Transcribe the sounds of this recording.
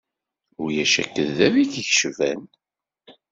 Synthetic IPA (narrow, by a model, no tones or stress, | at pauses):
ʊɾjæʃæ̰kːəðːæviçəçʃvæn